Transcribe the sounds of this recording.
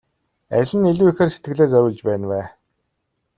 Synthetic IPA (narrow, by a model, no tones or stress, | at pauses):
æ̰ɮʲɘ̆neɮuːixeːrse̥t̪ɡɘ̆ɣɮeːt͡sœɾʲʊːɮt͡ɕpæːnwæː